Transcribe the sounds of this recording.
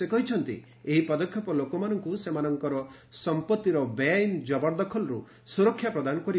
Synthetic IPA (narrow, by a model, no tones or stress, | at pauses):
sekɔɦit͡ʃʰɔnt̪ḭ | eɦipɔd̪ɔkʰːjɔpɔlokɔmanɔŋkusemanɔŋkɔɾɔ | sɔmpɔt̪ːiɾɔbeajnd͡ʒɔbɔɾd̪ɔkʰɔlɔɾṵ | suɾɔkʰːjapɾɔd̪anɔkɔɾi